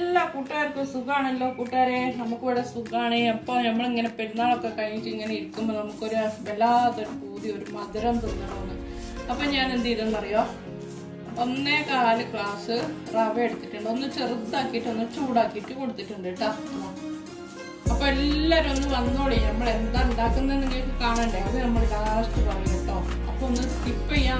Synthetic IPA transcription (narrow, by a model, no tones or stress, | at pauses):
elːakuːʈːaːɾkːosuɡaːɳɐlːo̞ːkuːʈːaːɾenɐmukːɨʋɐɽɐsuɡaːɳeɐpːo̞ːnɐmːɐɭiŋːɐne̞pinːaːɭo̞kːekɐɻiɲiʈːɨiŋːɐneiɾukːumbonɐmukːo̞ɾuʋelaːðoɾupuːðio̞ɾumɐd̪ɐɾɐmt̪ukːɐɳonːɨ | ɐpːoːɲaːnend̪iiðɐnːɐrijo̞ː | onːe̞ːkaːlɨkɭaːsɨrɐʋɐjeɽut̪ːiʈːuɳɖo̞nːɨt͡ɕerut̪ːaːkːijiʈːɨonːɨt͡ɕuːɽaːkːijiʈːɨkoɽut̪ːiʈːuɳɖiʈːa | ɐpːoːelːaːɾumonːɨʋɐnːoːɭinɐmːɐɭe̞nd̪aːend̪aːkːunːenːɐŋɡiʈːɨkaːɳaːɳɖeɐðenɐmːɐɭlaːsʈɨpɐrɐjɐʈ̪ːoː | ɐpːoonːɨ | ipːojaː